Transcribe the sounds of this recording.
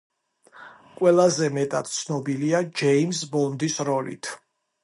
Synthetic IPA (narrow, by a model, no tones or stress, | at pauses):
kʼwɛlˠazɛmɛt̪ʼad̪̥t̪sʰnɔbiliad͡ʒɛimsbɔnd̪isɾɔlḭt̪ʰ